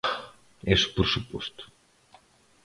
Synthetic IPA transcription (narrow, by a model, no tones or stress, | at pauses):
esu̥poɾsupost̪u̥